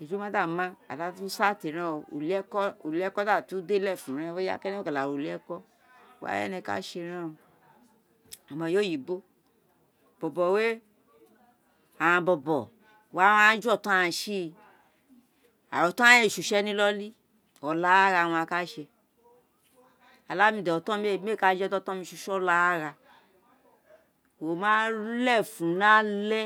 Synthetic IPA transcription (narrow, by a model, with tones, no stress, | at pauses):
e˨d͡ʒu˨˦mã˦da˦˨mã˦a̰˨da˨˦tu˦sa˦˨te˨ɾ̃ã˦˧ṵ˨li˦ɛ˦kɔ˦o˨li˦ɛ˦kɔ˦da˦˨ti˨˦u˦de˦lɛ˦˨fũ˨ɾ̃ɛ̃˧˦we˦ja̰˦kɛ˦nɛ˦o˦ka˨la˨ɾo˨li˦ɛ˦kɔ˦˨ | wa̰˦ɛ̰˦nɛ̃˧ka̰˦ʃe˧ɾ̃ã˦˧ | a˨mã˨˧jo˦ji˨bo˦ | bɔ˨bɔ˨we˦ | a˨ã˧bɔ˧bɔ˨ | wa˦w̃ã˦d͡ʒɔ˦˨tã˦ã˧ʃi˦˧ | a̰˨wɔ˨tã˦e˦˨ʃu˨ʃɛ˦nĩ˦lɔ˦li˦ | ɔ˨la˦ɾa˧˨w̃ɔ̃˧a˧ka˦ʃe˧ | a˨la˦mĩ˧˨dɛ˨ɔ˨tɔ̃˦m˦e˦˨m˦e˦˨ka˧˦d͡ʒtɔ˦tɔ̃˦mĩ˧ʃu˧ʃɔ˦la˦a˦ɾa˧ | wo˨mãː˦lɛ˦˨fũ˨nã˦lɛ˦